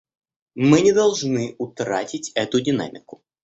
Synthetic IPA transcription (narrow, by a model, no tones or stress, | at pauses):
mɨnʲɪd̪ɐlˠʐnɨʊt̪ɾa̰tʲɪtʲɛt̪ʊdʲɪna̰mʲɪkʊ̥